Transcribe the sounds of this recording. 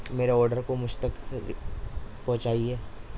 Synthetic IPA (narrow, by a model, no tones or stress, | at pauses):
meːɾeɔːɾɖəɾkomʊd͡ʒʱt̪ɐk | pɔ̃ɦt͡ʃaːiɦɛː